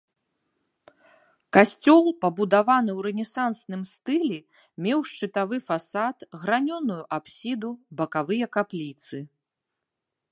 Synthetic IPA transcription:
kasʲt͡sʲɔlˠpɐbud̪avanɨwɾɛnʲɛsansnɨmst̪ɨlʲɛ | mʲɛwʂt͡ʂɨt̪avɨfasat̪ɣɾanʲɔnujuʔapsʲid̪ubɐkavɨjɐkaplʲit̪sɨ

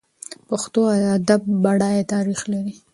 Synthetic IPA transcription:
paxt̪oaad̪ab̚ːaɽɑjet̪ɑɾixlaɾi

